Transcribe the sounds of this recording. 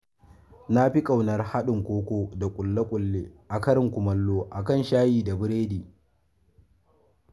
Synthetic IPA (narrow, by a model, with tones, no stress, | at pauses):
na˦ɸi˦kʼa˨wnɐ˦rha˦ɗɪ˨ŋkʷoː˦kʷoː˦da˨kʷʼʊ˨lːa˦kʷʼʊ˨lːeː˦ʔa˨kɐ˦ɾɪ˨ŋkʷʊ˨mɐ˦lːoː˦ʔa˨kɐ˦˨nʃaː˦jiː˨da˨bɪ˦ɾeː˦diː˨